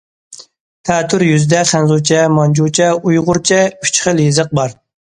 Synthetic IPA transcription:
t̪ʰɛːt̪ʰːɾjyzd̪ɛχænzut͡ʃʰɛmɑnd͡ʒut͡ʃʰɛujʁʊɾt͡ʃʰɛy̥t͡ʃχəljizəq̚bɑɾ

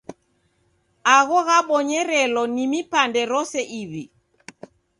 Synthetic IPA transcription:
aɣɔɣaɓɔɲɛɾɛlɔnimipandɛɾɔsɛʔiβi

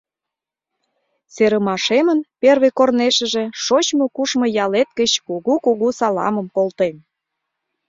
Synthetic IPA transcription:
seɾəmɑʃemənperβekorneʃə̆ʒe̽ʃot͡ɕmokuʃmojɑlet̪̚kət͡ɕkuɣukuɣusɑlɑ̰məmkolt̪en

